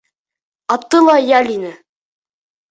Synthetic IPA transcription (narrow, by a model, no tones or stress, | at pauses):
ɑp̚t̪ɤlˠɑjælʲinɘ